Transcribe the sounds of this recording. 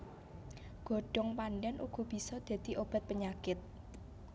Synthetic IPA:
ɡ̥ɔ̤ɖ̥ɔ̤ŋpanɖɛnʔuɡ̥ɔ̤b̥i̤sɔd̪̥a̤d̪̥i̤ʔob̥a̤t̪̚pəɲakɪt̪̚

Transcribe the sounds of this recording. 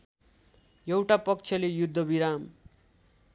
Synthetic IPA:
jʌwʈapʌk̚t͡sʰʌlejud̪ʱːʌbiɾam

